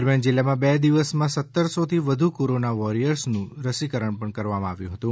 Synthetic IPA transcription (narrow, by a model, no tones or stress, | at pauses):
əɾmjand͡ʒɪlːamãbɛd̪iʋəsmãsət̪ːəɾsot̪ʰiʋəd̪ʱukoɾonaʋɔɾijəɾsnũɾəsikəɾəɳpəɳkəɾʋamãaʋjũɦət̪ũ